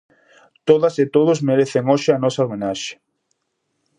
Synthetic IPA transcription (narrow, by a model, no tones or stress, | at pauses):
t̪oðaset̪oð̞ʊzmeɾeθeŋoʃɪanɔsaomẽnaʃe̥